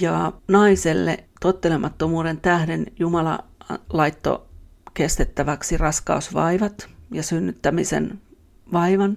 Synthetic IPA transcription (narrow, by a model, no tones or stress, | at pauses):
jɑnɑiselːḛt̪ot̪ːelemʔɑt̪ːomuːɾe̞nt̪æhdenjumɑlɑ̰lɑit̪ːo̰kest̪et̪ːæʋæksirɑskɑ̰usʋɑ̰iʋɑt̪jɑsynːyt̪ːæmisḛn | ʋɑiʋɑn